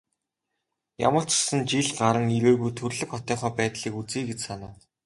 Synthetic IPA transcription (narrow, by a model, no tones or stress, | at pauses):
ja̰mə̆ɬt͡ɕ̆sə̆nt͡ɕiɮɢaɾə̆ŋiɾeːɣujt̪ʰɵrɮɘ̆kχɔt̪œːχœːpæːt̪ɮiːkut͡siːɡet͡ɕsanaː